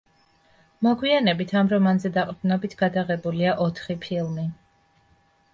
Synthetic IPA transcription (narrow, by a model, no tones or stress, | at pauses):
mɔɡwianɛbit̪ʰamɾɔmanzɛd̪aqʼɾd̪unɔbit̪ʰɡad̪aʁɛbuliaʔɔt̪ʰχipʰilˠmi